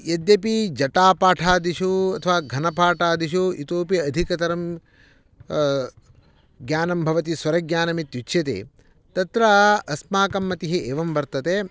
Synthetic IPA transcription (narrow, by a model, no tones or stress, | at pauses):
jɐd̪jɐpid͡ʒɐʈaːpaːʈʰaːd̪iʃuɐt̪ʰɐʋaːɡʱɐnɐpaːʈaːd̪iʃuit̪oːpiɐd̪ʱikɐt̪ɐɾɐm | ɡjaːnɐmbʱɐʋɐt̪̬isʋɐɾɐɡjaːnɐmit̪jut͡ʃʰjɐt̪ḛː | t̪ɐt̪ɾaɐsmaːkɐmːɐt̪iɦiʔeːʋɐmʋɐɾt̪ɐt̪e